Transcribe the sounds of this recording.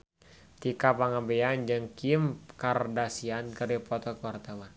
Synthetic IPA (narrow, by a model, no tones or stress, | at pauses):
t̪ikapaŋabɛand͡ʒɨŋkimkardasiankəɾipɔt̪ɔkəwart̪awan